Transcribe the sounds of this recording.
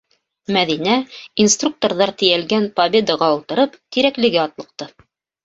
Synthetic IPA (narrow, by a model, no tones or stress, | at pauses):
mæðinæinst̪ruk̚t̪oɾðɑɾt̪ɘ̆jælɡænpɐbʲe̞d̪ɑʁɑɤ̆lˠt̪ɤ̆ɾɤpt̪iɾæklɘ̆ɡɘɑt̪lˠɤ̆q̚t̪ɤ